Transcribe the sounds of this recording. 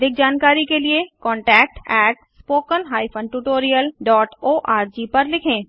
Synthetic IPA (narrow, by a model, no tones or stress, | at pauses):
d̪ʱɪk̚d͡ʒaːnkaːɾikeliekɔ̃ːɳʈɛːk̚ʈɛːʈspoːkənɦaːipʰə̃ɳɖʈuʈoːɾijəlɖɔːʈoːʔaːɾd͡ʒipɐɾlɪkʰẽː